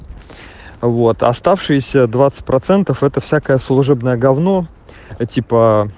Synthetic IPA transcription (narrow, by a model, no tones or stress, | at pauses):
vot̪ɐ̰st̪afʂɨjɪsʲəd̪vat̪sɨ̥t̚ʲpɾɐt̪sɛnt̪əfɛt̪əfsʲækəjəslˠʊʐɛbnəjəɡɐvno̞ | tʲipə